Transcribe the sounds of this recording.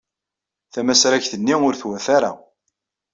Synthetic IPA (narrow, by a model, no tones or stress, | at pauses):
θæmæsɾæçθənːiʊɾθwæθaɾa̰